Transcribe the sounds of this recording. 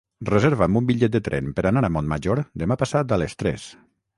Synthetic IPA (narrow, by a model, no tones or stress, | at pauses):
rezeɾβambumbiʎɛt̪̚d̪ət̪ɾɛ̰npəɾanaɾamɔnmaʒoɾd̪əmapasat̪alest̪ɾɛ̰s